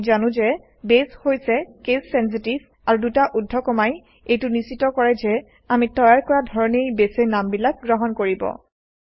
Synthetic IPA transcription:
zanʊ̃zɛ | beshojsɛkesːɛns̬itivʱ | aɹudutaʔudʱɔkɔmaj | ejtʊnisitːɔkɔɹɛzɛ | amitɔjaɹkɔɹadʱɔɹɔnejbesejnambilak̚ɡɹɔɦɔnkoɹibɔ̰

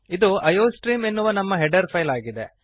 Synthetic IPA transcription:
id̪uʔɐjoːsʈɾiːmenːuʋɐnɐmːɐɦɛɖɐɾpʰɐjlaːɡid̪e̞

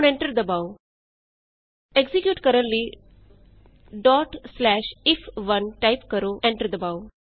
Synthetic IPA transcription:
nɛ̃ɳʈəɾd̪əbaːo | ɛɡzikjuːʈkəɾə̃nliː | ɖɔːʈslɛːʃɪfʰʋə̃nʈaɪpkəɾoːʔɛ̃ɳʈəɾd̪əbaːu

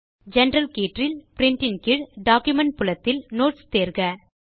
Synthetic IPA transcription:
d͡ʒɛnɾɐlkeːʈrɪlpɾɪɳʈɪnkɪɽɖaːkjumɛɳʈ̚pʊlɐt̪ːɪlnoːʈst̪eːɾɣɐ

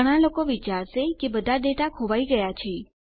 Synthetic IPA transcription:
əɽ̃alokoʋit͡ʃaɾʃekebəd̪ʱad̪eʈakʰoʋaiɡəjat͡ʃʰe

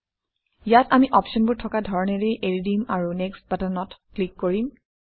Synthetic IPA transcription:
jatamiʔɔpʃɔnbʊɹtʰɔkadʱɔɹɔneɹejʔeɹidimaɹunekst̚batanɔtklikːoɹim

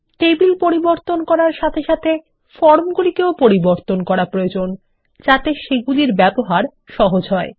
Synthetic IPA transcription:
ʈebilpoɾiboɾt̪onkɔɾaɾʃat̪ʰeʃat̪ʰe | fɔɾmɡulikeopoɾiboɾt̪onkɔɾapɾood͡ʑon | d͡ʑat̪eʃeɡuliɾbɛboɦaɾ | ʃɔɦod͡ʑɦɔe

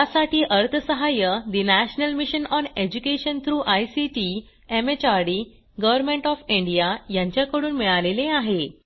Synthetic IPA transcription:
jasaʈiːʔəɾt̪ʰəsəɦajəd̪inæɕnəlmiɕənɔned͡ʑukeɕənt̪ʰɾuːʔajsiʈi | emet͡ɕaɾɽi | ɡəʋəɾmẽɳʈɔfiɳɖijajãɲt͡ɕjakəɽuːnmiɭaleleaɦe

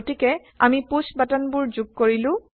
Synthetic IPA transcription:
tikɛ | a̰mipusbatanbʊɹzuɡ̚koɹilʊ̃

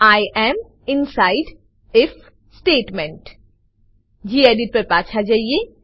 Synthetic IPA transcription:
aːjʔɛːm | ɪ̃nsaːɪɖ | ɪf | sʈeːʈmɛ̃ɳʈ | d͡ʒiːeːɖɪʈ̚pɐɾpaːt͡ʃʰad͡ʒaːie

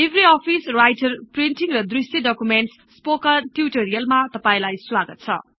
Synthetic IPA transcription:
ebʱɾiɔpʰisɾajtɐɾpɾinʈiŋɾʌd̪ɾistidɔkumenʈs | spokɐɾʈiuʈoɾijɐlmat̪ʌpaj̃lajswaɡɐt̪̚t͡sʰʌ̰

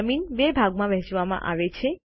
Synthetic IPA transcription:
minbebʱaɡmãbɛɦt͡ʃʋamã̰ʔa̰ʋet͡ʃʰe

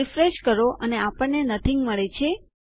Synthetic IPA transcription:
ifɾeʃkəɾoʔəneapəɳːenət̪ʰĩŋɡməɭet͡ʃʰe

